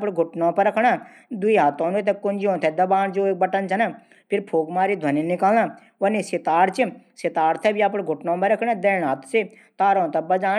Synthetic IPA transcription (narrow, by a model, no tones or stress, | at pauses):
pɽɡʱʊʈnõːpɐɾɐkʰɽa | d̪uiaːt̪õːnet̪ɛkʊnd͡ʒiõːt̪ʰɛd̪ɐbaːnd͡ʒoːek̚bɐʈənt͡ʃʰɐna | pʰɪɾpʰoːɡmaːɾid̪ʱwɐninɪkaːlnã | ʋɐnisɪt̪aːɾt͡ʃisɪt̪aːɾt̪ʰɛbiap̬ɽɡʱʊʈnõːpɐɾɐkʰɽ̃ãd̪eːɳaːt̪se | t̪aːɾõːt̪ɛbɐd͡ʒaː